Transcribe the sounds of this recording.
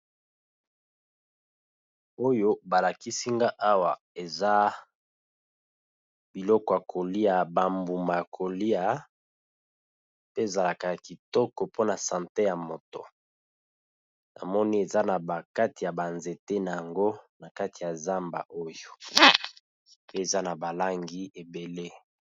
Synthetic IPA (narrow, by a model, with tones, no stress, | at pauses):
o˦jo˦ba˨la˨ki˦si˦ŋɡa˦ʔa˦wa˨ | e˨za˦ | bi˨lɔ˦kɔ˨a˨kʰo˨li˦a˨ba˨mbu˨ma˨a˨kʰo˨li˦a˨ | pe˦e˨za˨la˨ka˨ja˨ki˨tɔ˦kɔ˨po˦na˨sã˨nte˦ja˨mo˨to̰˨ | nʔa̰˨mɔ˦ni˦e˨za˦na˨ba˨ka˦ti˨ja˨ba˨nze˨te˦na˨ja˨ŋɡo˦na˨ka˦ti˨ja˨za˦mba̰˨ʔo˦jo˨ | ppe˦e˨za˦na˨ba˨la˦ŋɡi˦e˨be˨le˦